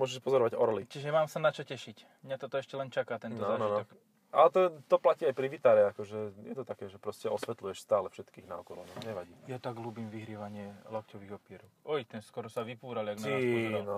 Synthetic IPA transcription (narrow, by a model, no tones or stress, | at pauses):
mʊɔʒɛʃpɔzɔɾɔʋaɟɔɾlit͡ʃiʒɛmaːmsanat͡ʃɔcɛʃic | mɲat̪ɔt̪ɔɛʃcɛlɛnt͡ʃakaːt̪ɛnɔaːnʒɔinɔɔk | alɛt̪ɔt̪ɔplaciːajpɾiʋit̪aːɾɛakɔʒɛjɛt̪ɔt̪akɛːʒɛpɾɔscɛɔsʋɛt̪lujɛʃst̪aːlɛfʃɛt̪kiːɣna̰ɔkɔlɔnɔɲɛʋaɟiːjat̪aɡɦlubiːmʋiɦɾɪiɛʋaɲɪɛlɔkcɔʋiːɣɔpɪɛɾɔʊɔit̪ɛskɔɾɔsaʋipuːɾaliaɡmaiauɾan